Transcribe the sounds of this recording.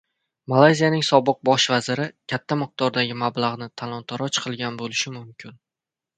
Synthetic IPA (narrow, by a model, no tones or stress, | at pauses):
malˠajzijanɪŋsɒbɨq̚bɒʃvazɪɾɪkʲʰat̪ʰːamɨq̚d̪̥ɒɾd̪aɡʲɪmablˠaʁnɪt̪ʰalˠɒnt̪ʰaɾɒt͡ʃqʰɨlˠɡʲanbolɪʃɪmʊmkʲʰɪn